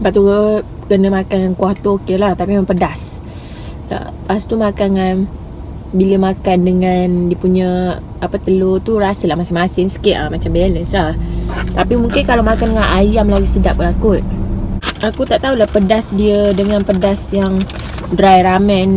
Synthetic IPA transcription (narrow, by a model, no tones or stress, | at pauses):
baʔt̪u | kənəmakanŋankuaht̪ookelaht̪apimapədas | la̰past̪umakanŋan | biləmakandəŋandiəpuɲə | apət̪əlot̪uɾasəlahmasɪmasɪŋsə̥kɪt̪̚a̰mat͡ʃambɛləslaht̪apimuŋkɪnkalamakandəŋãnʔajamlalusədap̚lakʊt̪̚ | akut̪aʔt̪aulahpədasdiədəŋãnpədasjaŋ | dɾajɾamɛn